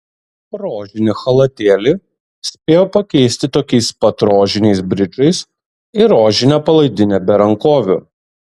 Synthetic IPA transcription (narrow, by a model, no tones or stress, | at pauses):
ɾoːʒʲɪnʲɪxɐlˠɐt̪ʲeːlʲɪ | sʲpʲeːjoːpɐkʲɛɪsʲt̪ʲɪt̪oːkʲɛɪspɐt̪ɾoːʒʲɪnʲɛɪsbʲɾʲɪt͡ʃɐɪs | ɪɾoːʒʲɪnʲɛpɐlˠɐɪd̪ʲɪnʲɛbʲɛɾɐŋkoːʋʲʊ̰